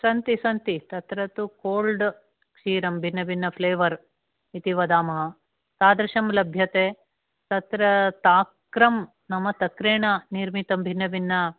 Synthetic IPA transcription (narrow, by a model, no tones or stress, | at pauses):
sɐnt̪isɐnt̪it̪ɐt̪ɾɐt̪ukoːlɖ | kʂiːɾɐmbʱinːɐbʱinːɐpʰleːʋɐɾ | it̪iʋɐd̪aːmɐɦɐ | t̪aːd̪ɾɐʃɐmlɐbʱjɐt̪eː | t̪ɐt̪ɾɐt̪aːkɾɐm | nɐmɐt̪ɐkɾeːɳɐniɾmit̪ɐmbʱinːɐbʱinːɐ